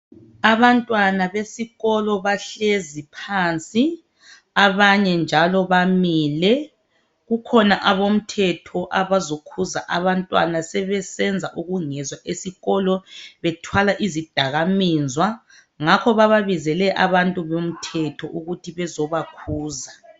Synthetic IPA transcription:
aβantʼwanaβesiɣɔlɔβaɬezipʰant͡sʼi | aβaɲɛnd͡ʒʱalɔβamilɛ | ɣukʰɔnaʔaβom̩tʰɛtʰɔʔaβazokʰuza̰ʔaβantʼwa̰nasɛβɛsɛnd͡zʱaʔuɣuŋɛzwaʔesiɣɔlɔβɛtʰwalaʔizid̥ʱaɣamiːzʱwa | ŋakʰɔβaβaβizɛlɛʔa̰βantʼuβom̩tʰɛtʰɔʔuɣutʰiβɛzɔβakʰuːza

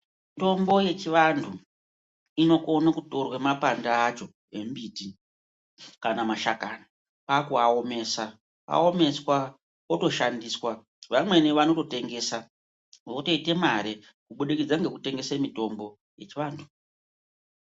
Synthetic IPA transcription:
mito̞mbo̞je̞t͡ʃiʋandʰʱu | ino̞konakuto̞rwemapandaːt͡ʃo̞ | e̞mbiti | kanamaʃakaːna | pakuao̞me̞sa | a̰ome̞swa | oto̞ʃandiːswa | ʋamwe̞niʋano̞to̞te̞ŋɡe̞ːsa | ʋoto̞ite̞maɾe | kuɓuɗikid͡zaŋɡe̞kute̞ŋɡe̞semito̞mbo̞ | je̞t͡ʃiʋaːndʰʱu̥

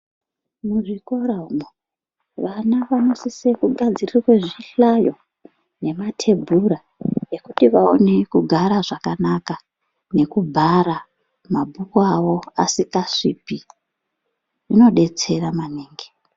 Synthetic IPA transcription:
muʐikoɾaumo | ʋanaʋano̞sisekuɡʱad͡zirirweʐiɬajo̞ | ne̞matʰe̞bʱuɾa | e̞kutiʋao̰ne̞kuɡʱaɾaʐakanaka | ne̞kubʱaɾa | mabʱukawo̞a̰sikaʂiːpi | ino̞ɗe̞t͡se̞ramaneːŋɡe

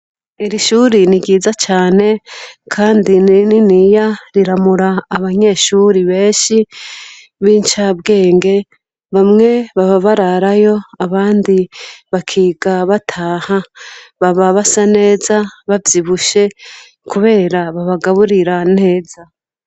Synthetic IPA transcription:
iɾiʃuɾiniɡiːzat͡ʃaːne̞kʰaːndinininijaɾiɾamuɾaːβaɲe̞ːʃuːɾiβe̞ːʃi | βiːnt͡ʃabɡe̞ːŋɡe̞ | βamŋe̞βaβaβaɾaɾajo̞aβaːndiβakʰiːɡaβatʰaːhaβaβaβasane̞ːzaβavjiβuʃe̞ | kuβe̞ːɾaβaβaɡaβuɾiɾane̞ːza

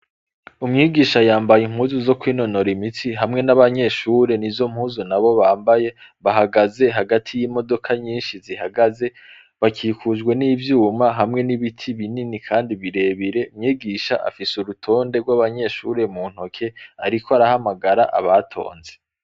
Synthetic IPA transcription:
umɲiːɡiːʃajaːmbajim̥huːzuzo̞kwiːno̞no̞ɾimitiɦamŋe̞naβaɲe̞ʃuːɾe̞nivzo̞m̥huːzunaβo̞βaːmbaje̞βaɦaɡaze̞ɦaɡatʰijiːmo̞do̞kʰaɲiːnʃizihaɡaze̞ | βakʰiːkʰuʒɡwe̞niːvjuːmaɦamŋe̞niβitʰiβininikʰaːndiβiɾe̞ːβiɾe̞umɲiːɡiːʃaʔa̰fisuɾutʰo̞ːnde̞ɡwaβaɲe̞ʃuɾe̞muːn̥ho̞kʰe̞aɾikoaɾahamaɡaɾaʔa̰βatʰo̞̰ːnze̞

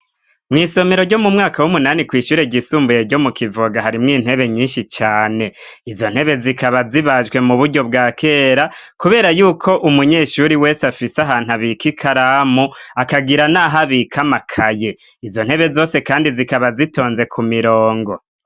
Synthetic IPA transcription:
mŋiːso̞meɾo̞ɾɟo̞mumŋaːkawumunaːnikwiːʃuːɾe̞ɟisuːmbuje̞ɾɟo̞mukʰivoɡaɦaɾimŋiːn̥e̞βe̞ɲiːnʃit͡ʃaːne̞ | izo̞n̥he̞βe̞zikaβaziβaʒɡwe̞muβuɾɟo̞bɡaːkʰe̞ːɾakuβe̞ːɾajuːkʰo̞ʔumuɲeʃuɾiwe̞ːsafisaɦaːn̥uaβikikʰaɾaːmuakaɡiɾanaɦaβikʰamakʰaje̞izo̞n̥he̞βe̞zo̞ːse̞kaːndizikaβazito̞ːnze̞kʰumiɾoːŋɡo̞

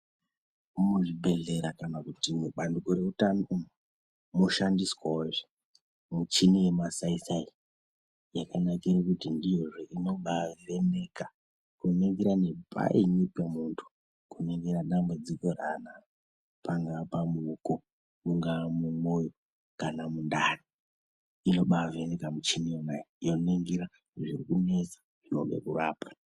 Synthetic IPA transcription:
umoʐiɓe̞ɮe̞ɾakanakutimuɓandukoɾe̞utanoum | moʃandiswaoʐe | mut͡ʃinijemasaisai | jakanakirakutindijoʐeʔino̞ɓairene̞ka | kuneŋɡiɾanepʰa̰ʔinipemuntʰu̥ | kuneŋɡeɾaɗambud͡ziko̞rana | paŋɡapamuko̞ | uŋɡamumojo | kanamundari | ino̞ɓave̞ne̞kamut͡ʃinijonajiijoneŋɡiɾa | ʐirikune̞t͡sḁ | ʐ̥ino̰ŋɡe̞̰kuraːpḁ

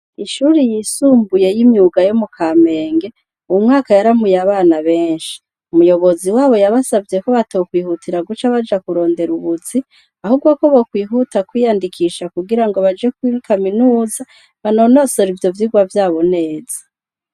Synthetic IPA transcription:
iʃuːɾijisuːmbuje̞jimɲuːɡajomukʰaːme̞ːŋɡe̞ | uwumŋaːkajaɾamujaβaːnaβe̞ːnʃi̥ | umujo̞βo̞ziwaːβo̞jaβasavje̞ko̞βatokwiːhutʰiɾaɡut͡ʃaβad͡ʒakuɾo̞ːnde̞ɾuβuzi | ahubɡwakoβokwiːɦutakwijandikʰiːʃakuɡiɾaŋɡoβad͡ʒek̚wikʰaminuːza | βano̞no̞so̞ɾivjo̞vjiɡwavjaːβo̞ne̞ːz̥ḁ

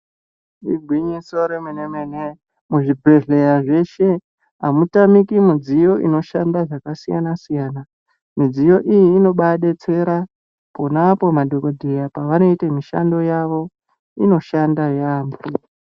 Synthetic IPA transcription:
iɡʱwiɲisoɾemenemene | muʐibʱe̞ɮe̞ɾaʐe̞ʃe̞ | ɦamutamikimid͡zijo̞ʔḭno̞ʃandaʐakasija̰nasijaːna | mid͡zijo̞ʔijiːno̞ɓaɗe̞t͡se̞ɾa | po̞napo̞madʱo̞ko̞dʱejapaʋano̞itemiʃa̰ndo̞jaʋo̞ | ino̞ʃandajaːmbu

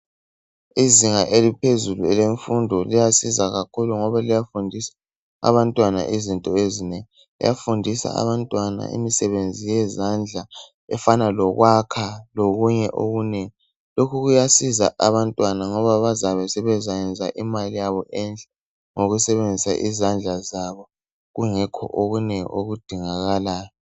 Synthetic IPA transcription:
iziŋaʔelipʰezuluɛleɱfundʱɔlijasizaɣakʰuluŋɔβalijafundʱisḁ | a̰βantʼwana̰ʔizintʼɔezineŋi | lḭjafundʱisa̰a̰βantʼwana̰ḭmisɛβend͡zʱijɛzand͡ɮʱa | ɛfanalɔɣwakʰaloɣuɲɛʔoɣuneŋi | lokʰuɣujasiza̰ʔaβantʼwanaŋɔβaβazaβɛsɛβɛzajɛnd͡zʱaʔimalijaβɔʔɛnd͡ɮʱɛ | ŋoɣusɛβend͡zʱisa̰ʔḭzand͡ɮʱazaβɔ | ɣuŋɛkʰɔ̰ʔoɣuneŋḭoɣud̥ʱiŋaɣalaːjɔ

